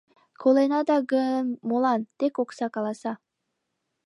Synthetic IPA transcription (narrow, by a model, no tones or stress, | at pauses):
kʰolˠenɑd̪ɑɡɯmolˠɑnt̪ekoqsɑkɑlˠɑsɑ